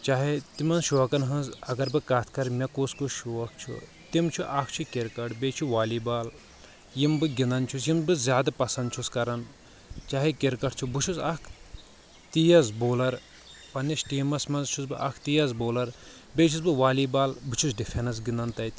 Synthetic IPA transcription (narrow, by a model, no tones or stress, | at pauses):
t͡ʃaːɦet̪imɐnzʃoɐkɐnɦɐ̃zɐɡɐɾbɨkat̪ʰkɐɾmʲɐkoːskoʃoɐkʰt͡ʃʰṵ | t̪imt͡ʃʰuʔɐkʰt͡ʃʰukʲeɾkɐʈbeːt͡ʃʰuʋaːlibaːl | jimbɨɡʲind̪ɐnt͡ʃʰus̬jimbɨzʲjaːd̪ɐpɐsɐnd̪̚t͡ʃʰuskɐɾɐn | t͡ʃaːɦikʲeɾkɐʈʰt͡ʃʰubɨt͡ʃʰuzɐkʰ | t̪ijɐzboːlɐɾ | pɐnisʈiːmɐsmɐnzt͡ʃʰusbɨʔɐ̰kʰt̪ijɐzboːlɐɾ | bʲeːt͡ʃʰuzbɨʋaːliːbaːlbɨt͡ʃʰusɖifʰenɐs̬ɡind̪ɐnt̪ɐjt̪